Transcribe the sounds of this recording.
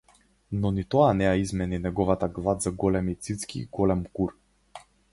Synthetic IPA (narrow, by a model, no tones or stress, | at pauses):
nɔnit̪ɔanɛaizmɛninɛɡɔvat̪aɡlˠad̪zaɡɔlɛmit̪sit̪skḭːɡɔlɛmkuɾ